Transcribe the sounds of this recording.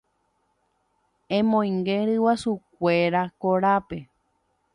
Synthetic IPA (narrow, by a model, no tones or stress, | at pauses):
ẽmõj̃ŋɡẽɾɨwasuk̚ʷeɾakoɾape